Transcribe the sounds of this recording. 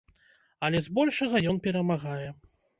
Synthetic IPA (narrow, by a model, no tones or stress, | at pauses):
ɐlʲɛzbɔlʲʂɐɣɐjɔnpʲɛɾɐmaɣajɛ